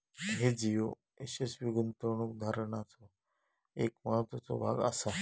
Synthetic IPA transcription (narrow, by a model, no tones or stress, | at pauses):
ɦed͡zijo | esesʋiɡunt̪əɾɳukd̪ʱaɾəɳ̃at͡so | ekmaɦt̪ot͡so̰bʱa̰ɡa̰sa